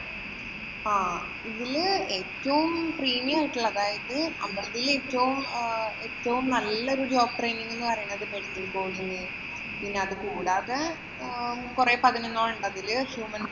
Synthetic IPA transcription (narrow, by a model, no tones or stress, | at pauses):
aː | iðileːtːɐʋumpriːmijaːjiʈːuɭːɐðaːjɐðɨɐmːɐlɐðileːtːɐʋume̞ːtːɐʋumnɐlːɐo̞ɾudoːk̚ʈrejniŋːenːɨpɐrɐjaɳɐɐðɨpeɽinːukoːɽiɲːɨ | pinːeɐðɨkuːɽaːðe | kureːpɐðinonːoːɭuɳɖɐðilɐɕjuːmɐn